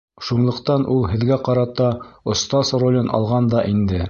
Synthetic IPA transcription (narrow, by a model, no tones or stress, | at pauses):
ʃunlˠɤ̆qt̪ɑnʔulˠhɘ̆ðɡæqɑɾɑt̪ɑŏst̪ɑsrolʲɤnʔɑ̰lˠʁɑnd̪ɑʔind̪ɘ